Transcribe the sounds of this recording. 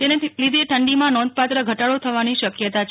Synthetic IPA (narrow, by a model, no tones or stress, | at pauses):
t̪enelid̪ʱeʈʰəɳɖimãnɔ̃nd̪̚pat̪ɾəɡʱəʈaɭot̪ʰəʋaniʃəkjət̪at͡ʃ